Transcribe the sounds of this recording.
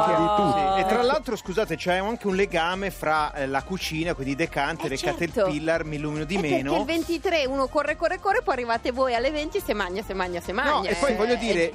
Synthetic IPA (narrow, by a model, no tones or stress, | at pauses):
oɾut̪uɾeet̪ːɾalːalt̪ɾoskuzaːt̪et͡ʃɛɛaŋkeunleɡaːmefɾalakut͡ʃiːnakwind̪id̪ekant̪eɾekːaːt̪eilpilːarmilːuːminod̪imeːnoellvent̪it̪ɾeuːnokorːekorːekorːepɔjarːivaːt̪evojalːevent̪isemaɲːasemaɲːasemanɔɲːaepːɔjvɔʎːjːod̪iːɾe